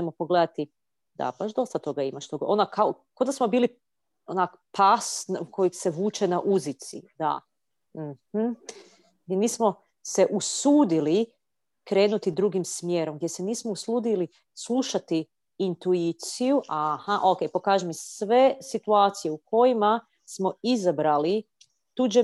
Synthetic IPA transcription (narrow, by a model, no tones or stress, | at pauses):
emopo̞ɡle̞d̪at̪i | d̪a̰b̥aʃd̪o̞st̪at̪o̞ɡaimaʃt̪o̞ɡaʔonakʰao | ko̞d̪asmo̞biːli | onakpasnukʰo̞jikse̞ʋuːt͡ʃenaʔuzit̪sḭd̪a̰ | m̩hm̩ | ɡʲeniːsmo̞ | se̞ʔusuːd̪ili | kɾe̞ːnut̪id̪ɾuɡimsmjeːɾomɡ̚d̪je̞seniːsmouslˠuːd̪ili | slˠuʃat̪iː | nt̪uit̪sijuʔahaʔo̞ke̞jpo̞kaːʒemisʋe̞sit̪uaːt̪sije̞ukʰo̞jima | smo̞izabɾali | t̪ud͡ʒe